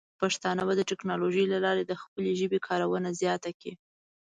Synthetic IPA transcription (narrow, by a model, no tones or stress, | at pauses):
paʃt̪ɑnabad̪əʈɪknɑloʒəjlalɑɾed̪əxpəleʒəbekʰɑɾawənazjɑt̪aki